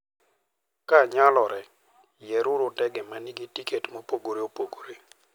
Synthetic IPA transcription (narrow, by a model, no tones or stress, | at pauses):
kaɲalɔɾɛ | jɛɾʊɾotɛɡɛmaniɡitiketmopoɡoɾeopoɡoɾe